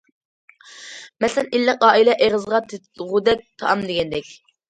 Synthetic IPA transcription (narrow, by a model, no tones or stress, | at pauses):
mɛsɛnilːəqɑːilɛʔeʁəzʁɑt̪ʰe | ʁud̪ɛk̚ʲt̪ʰɑʔɑmd̪eɡʲɛnd̪ɛkʲ